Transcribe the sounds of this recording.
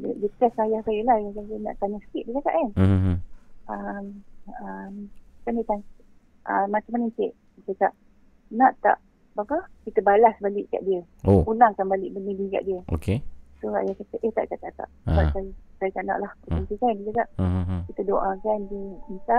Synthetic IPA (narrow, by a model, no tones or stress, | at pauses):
dədiət̪ɛsajahsajəlahjakajənã̰ʔt̪aɲasə̥kiʔ̪̚dikaka̰ʔkan | əməmkandət̪an | ʔəmat͡ʃamanəkeʔ | ik̪ək̪aʔ | naʔt̪a̰ʔ | bapəkit̪əbalasbalɪʔka̰ʔdiəoulaŋkanbalɪʔ̚bənidiŋka̰ʔdiəʔo̰kesoa̰jakat̪əʔəht̪a̰ʔkat̪aʔt̪a̰ʔa̰kajəkajik̪anã̰ʔlah̪antikandikakaʔkit̪ədoʔakandəənt̪aʔ